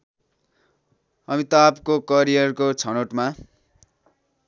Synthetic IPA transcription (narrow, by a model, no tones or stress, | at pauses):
ʌmit̪apkokʌɾijʌrkot͡sʰʌnoʈma